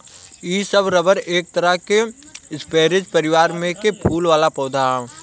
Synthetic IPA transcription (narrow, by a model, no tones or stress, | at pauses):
iːsəbɾəbəɾeːk̚t̪əɾəɦkeɪspeːɾɪd͡ʒpəɾɪʋaːɾmẽkepʰuːlʋaːlapɔːd̪ʱaː